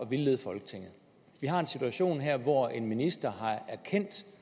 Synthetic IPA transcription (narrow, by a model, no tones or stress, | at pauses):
ɒ̽ʋilːeːð̞̩ˠfɒ̽lɡ̥ə̥t͡sʰe̝ŋ̰ð̩ˠ | ʋiɦɑ̈e̝nsit͡sʰuæɕo̝̰ːnɦeɐ̰ʋɒe̝nminisd̥ɐɦɑ̈æɐkʰen̰d̥